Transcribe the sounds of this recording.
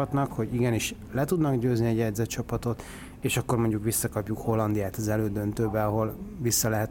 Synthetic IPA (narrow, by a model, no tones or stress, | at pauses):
ɒt̪nɒkho̞ɟiɡɛniʃ | lɛt̪ud̪nɒɡɟøːzniɛɟjɛd̪zɛt͡ʃɒpɒt̪o̞t̪ | eːʃɒkːo̞rmo̞ɲɟukʋisːɒkɒpjukho̞lːɒnd̪ijaːt̪ɒzɛløːd̪ø̞nt̪øːbɛɒɦo̞lʋisːɒlɛɦɛt̪